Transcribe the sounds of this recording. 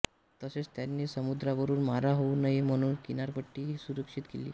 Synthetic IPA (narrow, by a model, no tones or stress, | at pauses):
t̪əset͡st̪janːiːsəmud̪ɾaʋəɾuːnmaɾaɦounaɦim̤əɽ̃uːnkinaɾpəʈːiːɦiːsuɾəkʂit̪kelḭː